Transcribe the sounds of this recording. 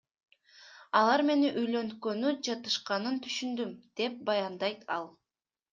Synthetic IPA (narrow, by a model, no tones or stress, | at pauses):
ɑlˠɑɾme̞niʔyjlø̞nkø̞nyd͡ʒɑt̪ɯʃqɑnɯnt̪ʰyʃynd̪ymd̪̥e̞p̚bɑjɑnd̪ɑjt̪ɑ̰lˠ